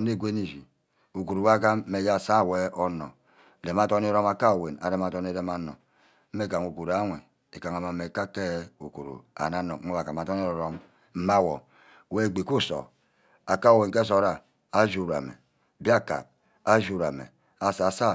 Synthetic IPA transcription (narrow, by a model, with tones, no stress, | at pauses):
n˦e˦˨ɡʷe˦ni˨d͡ʒi˨ | u˨ku˨ɾu˨˦a˦ka˦m̩˦me˨ja˦˨sa˦˨we˦ɔ˦nɔ̰˨ | e˨m˨a˦to˦ni˦ɾo˦ma˨ka˦o˨we˨na̰˨ɾe˦ma˨tɔ˦ni˦ɾe˦ma˨no̰˨˦ | me˦˨ka˨ŋu˨ku˨ɾa˦ŋʷe˨ | e˨ka˨ŋa˨ma˨˦me˨ka˦ke˦u˨kṵ˨ɾṵ˨a̰˨na˦no˨˦o˦wa˨ka˨ma˨tɔ˦ni˦˨ɾo˦m | m̩˦ma˦˨wo˨ | we˦˨ɡ͡bi˨ku˦so̰˨ | a˨ka˦o˨we˨nke˦s̬o˨ɾa˨ | a˦d͡ʒu˦˨ɾa̰˨mḛ˨ | bi˦a˦˨ka̰˨p̚ | a˦d͡ʒu˨ɾa̰˨mḛ˨ | a˨˦sa˨sa˦